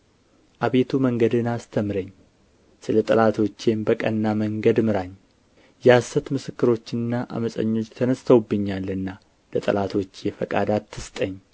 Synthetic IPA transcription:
ʔaβe̞t̪ʰuməŋɡəd̪ɨnast̪ʰəmɾəɲː | sɨlət̪ʼɨlat̪ʰo̞t͡ʃːe̞nbəkʼənːaməŋɡəd̪mɨɾaɲː | jɛasːət̪mɨsɨkːɨɾo̞t͡ʃːɪnɨnːaʔa̰məsʼə̰ɲːo̞t͡ʃːt̪ʰənəst̪ʰəwbːɨɲːalːɨnːa | lət̪ʼɨ̰lat̪ʰo̞t͡ʃːjɛfəkʼa̰d̪at̪ʰːɨst̪ʼəɲː

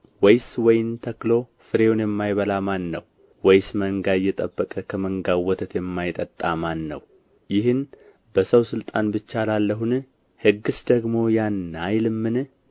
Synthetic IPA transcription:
wɔjswɔjɪnt̪ʰəklo̞ | fɨɾewonjɛmːajβəlamanːəw | wɔjsməŋɡajːɛt̪ʼəbːəkʼəkʰəməŋɡawːɔt̪ʰət̪jɛmːajt̪ʼət̪ʼːamanːə̰w | jɪɦɨn | bəsəwsɨlt̪ʼanbɨt͡ʃːalalːəɦun | hɨɡːɨsd̪əɡmo̞janːajlɨmːɨn

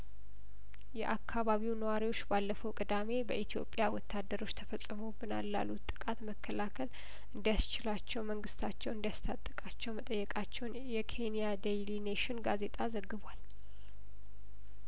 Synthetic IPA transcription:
jɛʔakʰːaβaβiwnəwaɾiwo̞t͡ʃːbalːəfəwkʼɨd̪ame̞bəʔit̪ʰijo̞̰pʼːjawɔt̪ʰːad̪ːəɾo̞t͡ʃːt̪ʰəfəsʼːɨmobɨnalːa̰lːut̪ʼːɨ̥kʼat̪məkʰːəlakʰəl | ʔɨnd̪ijast͡ʃɪlat͡ʃːɛwməŋɡɨst̪ʰat͡ʃːɛwɨnd̪jast̪ʰat̪ʼːəkʼat͡ʃːɛwmət̪ʼəjːɛkʼat͡ʃːɛwnjɛkʰe̞nijad̪ejlineʃɪnɡaze̞t̪ʼazəɡːɨβal

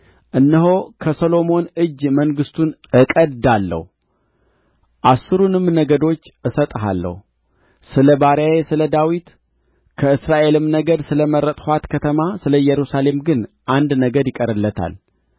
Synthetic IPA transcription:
ʔɨnːɨɦo̞kʰəsolo̞mo̞nɨd͡ʒːməŋɡɨst̪ʰunɨkʼəd̪alːə̰hu | ʔasːɨɾunɨmnəɡəd̪o̞t͡ʃːʔɨsət̪ʼɦa̰lːə̰hu | sɨləbaɾjajesɨləd̪awit̪ | kʰəɨsɾaʔe̞lɨmnəɡəd̪sɨləməɾət̪ʼhʷwat̪kʰət̪ʰəmasɨləjɛɾusale̞mɡɨnʔand̪nəɡəd̪jɪkʼəɾɨlːət̪ʰa̰l

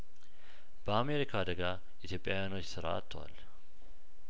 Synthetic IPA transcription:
b̥əame̞ɾikʰaːd̪əɡa | ʔit̪ʰjo̞pʼjawjanwo̞t͡ʃːsɨɾa̰a̰t̪ʰːəwa̰l

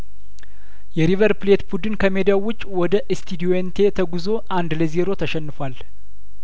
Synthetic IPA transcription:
jɛɾivəɾplet̪bud̪ɨnkʰəmed̪ijawʊt͡ʃʼːwɔd̪əʔɨst̪ʰid̪ioent̪ʰe̞t̪ʰəɡuzo̞ʔand̪ləzeɾo̞t̪ʰəʃɛnːɨfwal

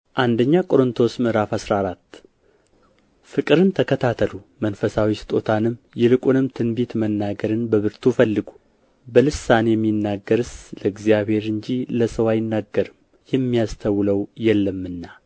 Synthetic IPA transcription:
ʔand̪əɲːakʼo̞ɾɨnt̪ʰo̞smɨhɾafasɾaɾat̪ː | fɨkʼɨɾɨnt̪ʰəkʰət̪ʰat̪ʰəlumənfəsawisɨ̥t̪ʼo̞t̪ʰanɨm | jɛlɨkʼunɨmt̪ʰɨnbet̪mənːaɡəɾɨnbəβɨɾt̪ʰufəlːɨɡu̥ | bəlɨsanejɛmːinːaɡːəɾɨsləɨɡzijaβhe̞ɾɨɲd͡ʒiləsəwajɪnːaɡːəɾɨm | jɛmːijast̪ʰəwləwjɛlːəmːɨnːa

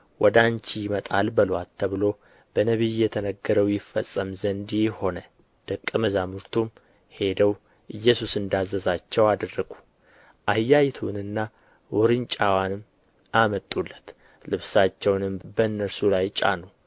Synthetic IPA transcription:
wɔd̪ant͡ʃijɪmət̪ʼalbəlwalt̪ʰːəβɨlo̞ | b̥ənəβijjɛt̪ʰənəɡːəɾəwjɪfːəsʼːəmzənd̪jho̞nə | d̪̥ɨkʼːɨməzamuɾt̪ʰum | he̞d̪əw | ʔɨjːɛsusɨnd̪azːəzat͡ʃːɛwad̪ərːəɡu̥ | ʔajːajt̪ʰunɨnːa | wɔɾɨnt͡ʃʼawanɨm | ʔamət̪ʼːulːət̪ | lɨβsat͡ʃːɛwnɨmbənːəɾsulajt͡ʃʼa̰nu

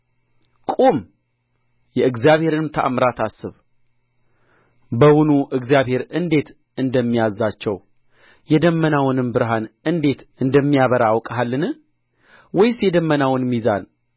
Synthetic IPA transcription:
kʼum | jɛɨɡzjaβhe̞ɾɨnmt̪ʰə̰ʔamɾat̪ʰasːɨβ | bəwunuʔɨɡzijaβhe̞ɾɨnd̪e̞t̪ | ɨnd̪əmːijazːat͡ʃːɛw | jɛd̪əmːənawʊnɨmbɨɾɦanɨnd̪e̞t̪ɨnd̪əmːijaβəɾaːwkʼəɦalːɨnɨ | wɔjsjɛd̪əmːənawʊnmiza̰n

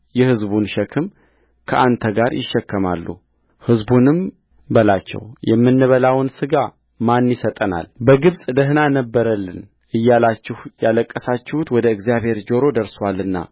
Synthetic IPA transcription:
jɛhɨzbunʃɛkʰɨm | kʰəʔant̪ʰəɡaɾjɪ̰ʃːɛkːəma̰lːṵ | hɨzbunɨm | bəlat͡ʃːɛ̰wjɛmːɨnːɨβəlawɨnsɨɡa | manjɪsət̪ʼəna̰lbəɡɨβsʼd̪əɦnanəbːəɾəlːɨn | ʔɨjːalat͡ʃːɪhjaləkʼːəsat͡ʃːɪhut̪wɔd̪əɨɡzijaβhe̞ɾd͡ʒo̞ɾo̞d̪əɾswalːɨnːa̰

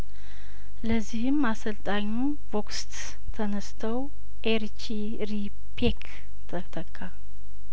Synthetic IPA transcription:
ləzːihɨmasəlt̪ʼaɲːu | vokst̪ | t̪ʰənəst̪ʰəw | ʔeɾt͡ʃi | ɾi | pʰek | t̪ʰʼət̪ʰəkʰʼːa

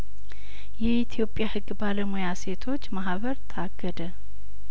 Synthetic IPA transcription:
jɛit̪ʰijo̞pʼjahɨɡːbaləmujase̞t̪ʰo̞t͡ʃːmaɦβəɾt̪ʰaɡːəd̪ə

